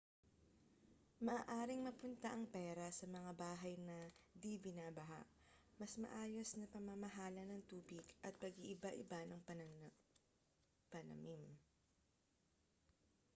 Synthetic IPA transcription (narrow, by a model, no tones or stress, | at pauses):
mɐʔaːʔaːɾɪŋmɐpʊnt̪ɐʔɐŋpɛːɾɐsɐmɐŋabaːɦɐjnɐd̪ibɪnaːbɐɦa̰ʔ | mɐsmɐ̰ʔaːjo̞snɐpɐmɐmɐɦaːlɐnɐŋt̪uːbɪɡʔɐt̪̚pɐɡiʔɪbaʔɪbanɐŋp | pɐnɐ̰mim